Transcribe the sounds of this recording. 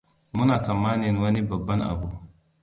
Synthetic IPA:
mu˦naː˨sɐ˨mːaː˦ni˨ɐ˦nwɐ˦ni˦bɐ˨bːɐ˦nʔa̰˨bu˦

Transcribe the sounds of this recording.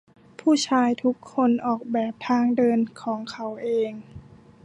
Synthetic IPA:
pʰuː˥˩t͡ɕʰaː˧jt̪ʰu˦˥kʰːo˧˥nʔɔː˨˩k̚bɛː˨˩p̚t̪ʰaː˧ŋdɤː˧nkʰɔː˩˦ŋkʰa˦wʔeː˧ŋ

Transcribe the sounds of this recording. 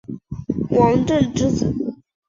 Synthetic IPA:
wɑ˧˥ŋʈ͡ʂə˥˩nʈ͡ʂɻ̩˥t͡sɹ̩˨˩˦

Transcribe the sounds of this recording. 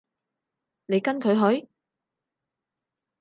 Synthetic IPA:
ne˨˧jkɐ˥nkʰɵ˨˧ɥɦɵ˨˥ɥ

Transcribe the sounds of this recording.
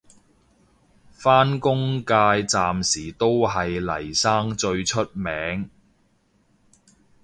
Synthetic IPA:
faː˥nkʊ˥ŋkaː˧jt͡saː˨msiː˨˩t̪o˥wɦɐ˨jlɐ̰˨˩jsaː˥ŋt͡ʃɵ˧ɥt͡ʃʰɵ˥t̚mɛː˨˥ŋ

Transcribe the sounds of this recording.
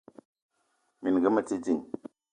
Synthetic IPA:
mi˨n˨ɡə˦ma˨t͡ʃi˦d͡ʒi˨ŋ

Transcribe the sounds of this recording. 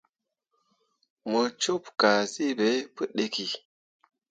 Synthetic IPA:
mə˨t͡ʃo˦pka˨si˦be˨˦pɨ˦ɗe˨ki˨

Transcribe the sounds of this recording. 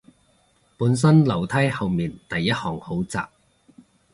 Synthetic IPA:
puː˨˥ns̬ɐ˥nlɐ˨˩wt̪ʰɐ˥jhɐ˨wmiː˨nt̪ɐ˨jːɐ˥t̚hɔː˨˩ŋho˨˥wt͡sa̰ː˨p̚

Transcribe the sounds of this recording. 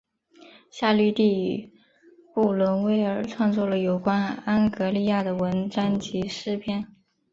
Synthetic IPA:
ɕja˥˧ly˥˧t̪i˥˧ | pu˥˩lwə˧˥nwe˧˥ɪə˞˨˩˥ʈ͡ʂʰwɑ˥˧ŋt͡swɔ˥˩lə˩jo˨˩ʊkwa˥na˥nkɤ˧˥li˥˧ja˥˩d̪ə˩wə˧˥nʈ͡ʂa˥nt͡ɕi˧˥ʂɻ̩˥˧pʰjɛ˥˩n

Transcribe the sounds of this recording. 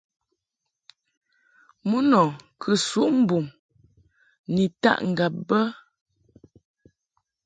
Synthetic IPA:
mu˦nɔ˨kʰə˨su˦ʔm̩˦bu˨m | ni˨ta̰˦˨ʔŋ̩˨ɡa˨p̚bə˦

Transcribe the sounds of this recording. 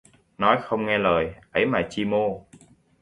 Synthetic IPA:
nɔ˨˦jxə˧wŋ͡mŋɛ˧ləː˨˩jʔə˨˦jmaː˨˩t͡ɕi˧mo˧

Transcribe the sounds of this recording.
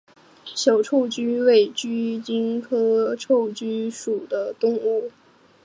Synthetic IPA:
ɕjɑ˨˩ʊʈ͡ʂʰo˥˧ʊt͡ɕy˥we˥˩ɪt͡ɕy˥t͡ɕi˥ŋkʰɤ˥ʈ͡ʂʰo˥˩ʊt͡ɕy˥ʂu˨˩d̪ə˦t̪ʊ˥˧ŋu˥˩

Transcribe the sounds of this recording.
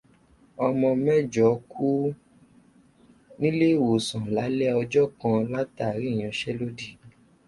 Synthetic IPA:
ɔ˧mɔ̃˧mɛ̃˦˨d͡ʒɔ˨˦kʰu˦ | nĩ˦le˦˨wo˨sã˨la˨˦lɛ˦ɔ˧d͡ʒɔ˦kã˧la˦ta˦˨ɾi˨˦˨j̃ã˧ʃɛ˦lo˦di˦˨

